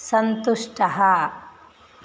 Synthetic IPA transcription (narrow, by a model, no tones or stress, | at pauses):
sɐnt̪uʂʈɐɦɐ